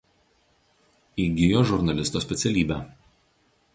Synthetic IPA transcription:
iːɡʲɪjoːʒʊɾnɐlʲɪst̪oːsʲpʲɛt̪sʲɛlʲiːbʲæ

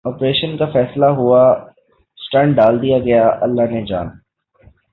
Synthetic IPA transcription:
ɔːpɾeːʃənkafɛːslaɦua | sʈɐ̃ɳɖɖaːld̪ijaɡɐjaʔɐlːaɦned͡ʒa̰ːn

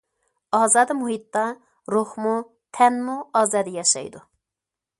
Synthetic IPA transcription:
ɑːzɑːd̪ɨmuɦit̪ːɑ | ɾuχmu | t̪ʰɛnmuɑːzɑːd̪ɛjɑʃɑ̰jd̪u

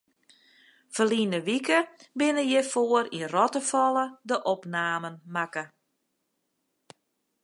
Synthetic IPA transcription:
fəlinəʋikəbɪnəjɛfoəɾinrɔtəfɔlˠədəʔɔpnaːmənmakə

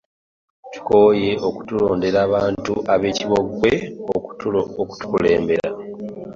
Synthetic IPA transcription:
tu̥ko̞je̞ʔoku̥tulo̞ːnde̞ɾaːβaːntuʔaβe̞ːciβo̞ɡweouuoku̥tu̥kule̞ːmbe̞ɾa̰

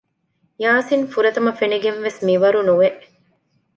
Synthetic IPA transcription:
jaːsinfuɾɐt̪ɐmɐfeniɡenʋesmiʋɐɾunuʋeʔ

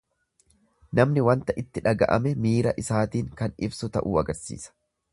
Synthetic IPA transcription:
nɐmnɪwɐnt̪ɐʔɪt̪ːɪᶑɐɡɐʔɐ̰mɛmiːɾɐʔɪsaːt̪iːŋkɐnɪbsʊt̪ɐʔuːɐɡɐɾsḭːsɐ̥

